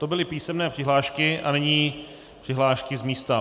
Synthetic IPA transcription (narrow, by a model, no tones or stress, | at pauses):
t̪obɪlɪpiːsɛmnɛːpr̥ɪɦlaːʃkɪʔa̰nɛɲiː | pr̥ɪɦlaːʃkɪzmiːst̪a